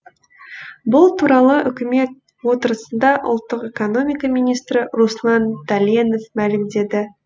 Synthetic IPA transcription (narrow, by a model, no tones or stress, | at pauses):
bʊlˠt̪ʰuɾɑlˠəʔʏkʲɪme̞t̪̚ | wo̞t̪əɾəsənd̪ɑʔʊ̰lˠt̪ːəqekono̞mijkɑmijnijst̪ɾɪɾuslˠɑnd̪alʲeno̞fmælɪmd̪e̞d̪ɪ